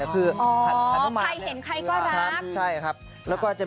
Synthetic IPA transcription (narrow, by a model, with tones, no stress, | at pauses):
kʰɯː˧˩ʔɔː˩˦a˨˦˨maːa˧jhe˨˦nkʰa˧jkɔː˥˩na˦˧˥kt͡ɕʰa˥˩jkʰa˦˥p̚ | lɛː˦˥wkɔː˥˩t͡ɕa˨˩